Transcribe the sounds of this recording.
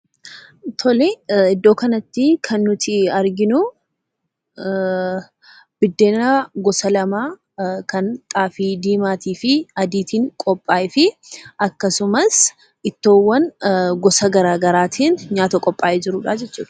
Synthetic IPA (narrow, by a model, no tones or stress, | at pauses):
t̪ʰɔlɛɪd̪ːo̞ːkɐnɐt̪ːɪkʰɐnːʊt̪ɪɐɾɡɪnʊ | b̥ɪd̪ːe̞ːnɐɡɔsɐlɐmaː | kɐnt̪ʼaːfiːd̪iːmaːt̪iːfɪɐd̪iːt̪iːŋkʼɔpʼːaːʔɪfɪʔɐkːɐsʊmɐs | ɪt̪ːo̞ːwːɐnɡɔsɐɡɐɾaːɡɐɾaːt̪ʰiːnɲaːt̪ɐkʼɔpʼːaːʔɛd͡ʒɪɾʊːᶑaːd͡ʒɛt͡ʃːṵːᶑɐ̥